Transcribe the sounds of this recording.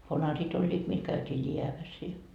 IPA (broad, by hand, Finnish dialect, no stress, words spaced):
ʋɑnɑrit olʲːiːt mil kæytiː liæʋæs i